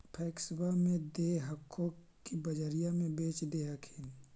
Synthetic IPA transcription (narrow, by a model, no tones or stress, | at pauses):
pʰɛːksbamẽd̪eːɦəkʰːõ | kibɐd͡ʒəɾijamẽbeːt͡ʃd̪eːakʰeːn